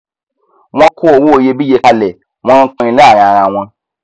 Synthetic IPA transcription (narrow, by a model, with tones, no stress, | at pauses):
w̃ɔ̃˧kʰo˦o˨wo˦o˨je˧bi˦je˧ka˧lɛ˨ | w̃ɔ̃˦˧˦k͡pɔ̃˧ĩ˧la˦˨ɾ̃ã˨ɾ̃ã˨w̃ɔ̃˧